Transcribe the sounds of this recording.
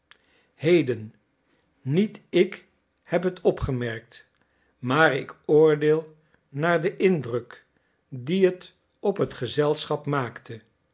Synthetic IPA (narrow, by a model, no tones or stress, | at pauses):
hejdənː | nitɪk | hɛpɦətʰɔpχəmɛɹk̚t | maːrɪkʊːɹdeːlˠ | naːɹdəʔɪndrɵk | diɦət | ɔpɦətχəzɛlˠsχɑpmaːktə